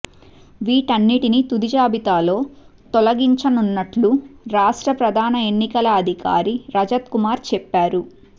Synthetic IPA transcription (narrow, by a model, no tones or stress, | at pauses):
ʋiːʈɐnːiʈinit̪ud̪id͡ʒaːbit̪aːlo̞ːt̪ɔlɐɡiɲt͡ʃɐnunːɐʈluɾaːʂʈɾɐpɾɐd̪ʱaːnɐenːikɐlɐːd̪ʱika̰ːɾiɾɐd͡ʒɐt̪kumaːɾt͡ʃɛpːaːɾu